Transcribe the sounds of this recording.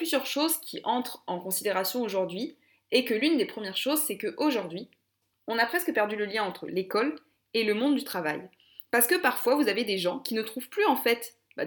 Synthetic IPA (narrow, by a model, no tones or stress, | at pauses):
lyzjœʁʃozkʲʰiʔɑ̃t̪χɑ̃kɔ̃sid̪eʁasjɔ̃oʒuʁd̪ɥi | ekəlynd̪epχəmjɛʁʃozsɛkəʔoʒuʁd̪ɥi | ɔ̃napχɛskəpɛʁd̪yləljɛ̃ɑ̃t̪χə̰lekɔl | eləmɔ̃d̪d̪yt̪χava̰j | paʁsə̥kəpaʁfwavuzaved̪eʒɑ̃kʲinət̪χuv̥plyɑ̃fɛt̪ | ba̰